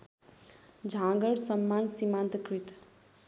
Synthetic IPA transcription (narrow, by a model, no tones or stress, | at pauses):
d͡ʒʱãɡəɽsəmːansimãnt̪kɾit̪